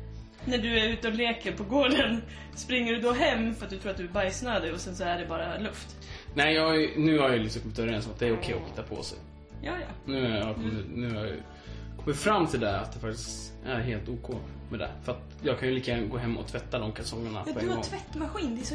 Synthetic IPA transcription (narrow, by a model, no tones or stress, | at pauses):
næɖɵæɾʉ̟ːt̪əɔleːkəɾpʰɔɡoːɖən | spɾɪŋːəɖɵd̪ɔɦɛmːfœɾat̪̚d̪ɵt̪ʰɾːat̪̚d̪ɵæbajsnad̪ɛɔsɛnsɔæɖɛbɑːɾalɵft̪ | nɛɪjɑːɡnʉ̟ːhaɾjɑjlɪksɔmkɔmːɪt̪œɾɛnsɔmat̪d̪ɛæɾʊkʰɛjːɔhɪt̪ːapʰɔ̰sɛ̰j | jɑːjɑ̰nʉ̟ːnʉnʉ̟ːaj̰ | kʰɔmːəɾfɾamːt̪ʰɪld̪ɛa̰t̪̚d̪ɛfak̚t̪ɪ̥st̪ | æɾɦeːlt̪uːkʰoːmɛd̪ɛ̰fœɾat̪ | jɑːɡkʰanjɵliːk̪əɡɾanɡoːɦɛmːɔ̰t̪ʰvɛt̪ːad̪ɔmkʰalsɔŋːəɳa̰pːdʰɔɛŋaɡɔŋtʰvɛt̪ːmaɧiːnd̪ɛɛs